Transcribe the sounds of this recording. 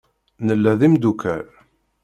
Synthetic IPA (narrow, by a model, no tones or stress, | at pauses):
nəlːæðimd̪ukʰæɾ